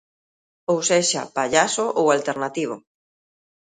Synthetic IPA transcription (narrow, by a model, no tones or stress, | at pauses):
owseʃa̰paʎasoʔowalt̪eɾnat̪iβ̞ʊ̰